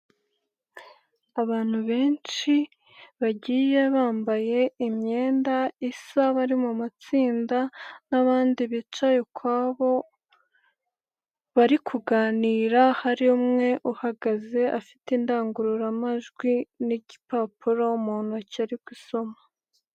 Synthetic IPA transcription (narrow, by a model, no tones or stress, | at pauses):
aβaːn̥huβe̞ːnt͡ʃi | βaɟiːje̞βaːmbaje̞imɲe̞ːndaisaβaɾimumat͡siːndanaβaːndiβit͡ʃajokʰwaːβo̞ | βaɾikʰuɡaːniːɾahaɾiumŋe̞ʔuhaɡaze̞ʔafi̥tindaːŋɡuɾuɾamaʒɡwiniɟipapuɾoumuːn̥huacaɾikwiso̞mḁ